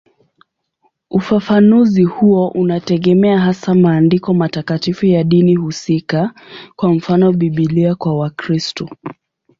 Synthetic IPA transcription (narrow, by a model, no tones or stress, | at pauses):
ufafanuzihuɔʔunatɛɠɛmɛaɦasamaːndikɔmatakatifujaɗinihusika | kwam̩fanɔɓiɓiliakwawakɾistɔ